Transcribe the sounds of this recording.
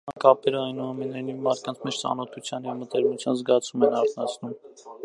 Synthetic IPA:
ɑnkɑpɛɾəɑjnuɑmɛnɑjnivmɑɾt̪̚kɑnt͡sʰmɛt͡ʃʰt͡sɑ̰nɔt̪ʰut͡sʰjɑnjɛvmət̪ɛɾmut͡sʰjɑnzɡɑt͡sʰumɛnɑɾt̪ʰnɑt͡sʰnum

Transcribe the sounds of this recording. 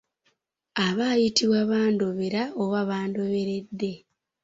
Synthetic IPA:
aβajitiβwaβaːndo̞βe̞ɾaoβaβaːndo̞βe̞ɾe̞dːe̞

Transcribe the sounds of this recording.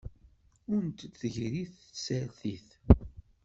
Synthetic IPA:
ʊnt̪θəʝɾiθsælθiθ

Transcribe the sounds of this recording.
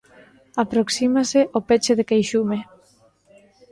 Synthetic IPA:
apɾoksimaseʔopet͡ʃeðekejʃume

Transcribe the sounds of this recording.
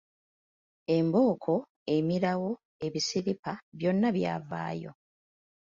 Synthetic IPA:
e̞mbo̞ːkʰo̞ | e̞miɾawo̞ | e̞βisiɾipaβjo̞nːaβja̰ːva̰ːjo̞̰

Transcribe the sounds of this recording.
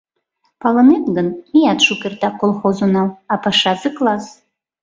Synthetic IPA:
pɑlˠɤ̆net̪ɡənijɑt̪ʃukʲert̪ɑkolˠχozonɑwɑpɑʃɑzɨklˠɑz

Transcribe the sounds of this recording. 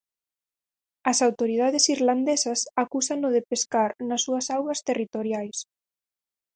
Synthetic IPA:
ɐsawt̪oɾið̞aðesiɾland̪esɐsakusaŋʊðepeskaɾnasːuɐsawɣɐst̪erit̪oɾjajs

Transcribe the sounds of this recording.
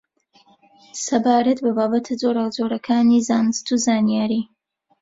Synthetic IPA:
sɐbaːɾat̪babaːbɐt̪ʰɨzoːɾaɡzoːɾɐkʰaːnizaːnɨst̪uzaːnijaːɾi

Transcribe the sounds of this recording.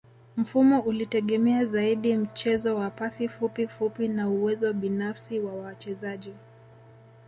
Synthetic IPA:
m̩fumɔʔulitɛɠɛmɛazaiɗim̩t͡ʃɛzɔwapasifupifupinauwɛzɔɓinafsiwawawat͡ʃɛzaʄi

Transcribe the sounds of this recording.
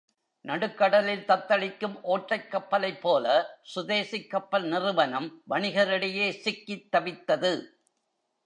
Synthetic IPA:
nɐɽɯkːɐɽɐlɪlt̪ɐt̪ːɐɭɪkːɯmʔoːʈːɐɪkːɐpːɐlɐɪpːoːlɐsʊðeːsɪkːɐpːɐlnɪrɯʋɐnɐmʋɐɳɪɣɐɾɪɽɐjeːsɪkːɪt̪ːɐʋɪt̪ːɐðɯ

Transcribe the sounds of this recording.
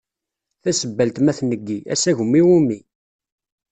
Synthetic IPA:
θæsəbːælt̪mæθnəɡːiʔæ̰sæʝʊmːiwumːi

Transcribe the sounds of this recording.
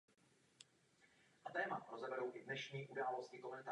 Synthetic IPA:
ʔat̪ɛːmaɾozɛbɛɾowʔɪdnɛʃɲiːʔudaːlo̞scɪkomɛnt̪a

